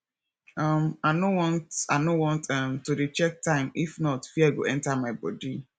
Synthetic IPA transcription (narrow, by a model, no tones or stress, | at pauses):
amanowɔ̃ntanowɔ̃ntamtːuɾit͡ʃɛk̚tãɪ̃mifnɔtfiaɪɡo̰ʔɛ̃ntamaɪbɔ̰di